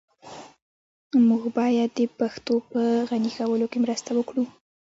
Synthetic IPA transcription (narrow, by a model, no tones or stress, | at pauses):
muɡbɑjad̪ːəpaxt̪opəɣanixawəlokemɾəst̪awəkɽu